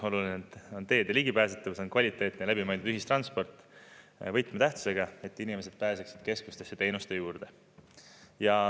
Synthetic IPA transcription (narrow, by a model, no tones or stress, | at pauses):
o̞lulinet̪ːo̞nt̪e̞ːd̪eliɡ̥ipæːset̪ːˑɑvsonkvɑlʲit̪ːˑe̞ːt̪inelæbimɑjnd̪ud̪yɦist̪rɑnspo̞rt̪ːˑ | vɤjt̪ˑmet̪æht̪u̥se̞ɡ̥ɑe̞t̪ːinime̞s̬e̞d̪̥̚pæːseksi̥d̪̥ke̞sku̥st̪esːet̪e̞jnust̪e̞juːrd̪̥e̞ | jɑ